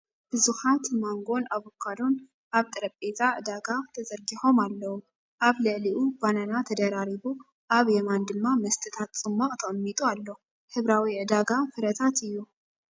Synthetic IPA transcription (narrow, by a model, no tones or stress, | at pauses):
b̥ɨzuħat̪maŋɡo̞naβokʰːad̪o̞n | ʔaβt̪ʼɨɾɐpʼːet̪ʰʼaʕɨd̪aɡat̪ʰɐzɐɾɡiħo̞malːɐwu | ʔaβlɨʕliʔubananat̪ʰɐd̪ɐɾaɾiβu | ʔaβjemand̪ɨmːamɐst̪ʰɨt̪ʰat̪t͡sʼɨmːaʔʼt̪ʰɐχʼmːit̪ʼualːo | hɨβɾawiʕɨd̪aɡafɨɾɐt̪ʰat̪ɨjːu